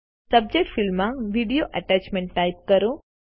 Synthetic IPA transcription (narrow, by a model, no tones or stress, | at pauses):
sɐb̚d͡ʑek̚ʈfilmãʋiɖijoʔɐʈat͡ɕmẽɳʈːaip̚kəɾũ